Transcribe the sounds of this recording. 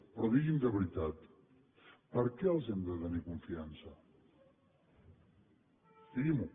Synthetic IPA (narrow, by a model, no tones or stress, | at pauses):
pɾɔðiɣimd̪əβɾit̪at̪ | pəɾkɛəlˠzɛmd̪ət̪ənikuɱfiansə | d̪iɣimu